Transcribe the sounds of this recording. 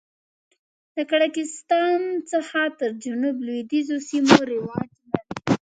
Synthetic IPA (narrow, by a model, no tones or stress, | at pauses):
d̪əkaɽakɪst̪ɑnt͡səxat̪əɾd͡ʒanublwed̪izosimoɾɪwɑd͡ʒlaɾi